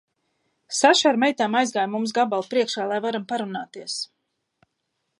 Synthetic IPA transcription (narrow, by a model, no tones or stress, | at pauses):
saʃaɾmɛjt̪aːmajzɡaːjmums̬ɡabalˠpɾiɛkʃaːlˠajvaɾampaɾunaːt̪iɛs